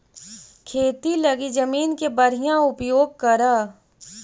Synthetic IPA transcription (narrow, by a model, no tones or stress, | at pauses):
kʰeːt̪ilɐɡid͡ʒəmiːnkebɐɾijãʊpjoːɡ̚kɐɾa